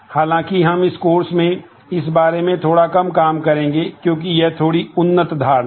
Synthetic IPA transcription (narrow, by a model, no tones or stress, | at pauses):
haːlãːkiɦɐmɪskoːɾsmẽ | ɪs̬baːɾemẽt̪ʰoːɽakɐmkaːmkɐɾẽːŋɡekjõːk̬ijɛt̪ʰoːɽiʊnːət̪d̪ʱaːɾ